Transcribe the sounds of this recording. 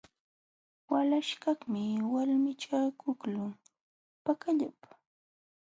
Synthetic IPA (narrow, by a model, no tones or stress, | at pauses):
walaʃkaχmɪwalmɪt͡ʃakʊklʊ | pakaʎapḁ